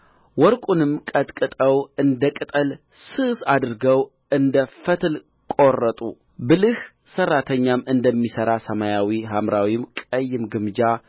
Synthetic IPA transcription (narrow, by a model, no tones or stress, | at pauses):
wɔɾkʼunɨmkʼət̪ʼkʼɨt̪ʼəwɨnd̪əkʼɨt̪ʼəl | sɨsad̪ɨɾɡəw | ɨnd̪əfət̪ʰl | kʼorːət̪ʼu | bɨlɨh | sərːat̪ʰəɲːamɨnd̪əmːisəɾasəmajawiɦamɾawimkʼəjːɪmɡɨmd͡ʒa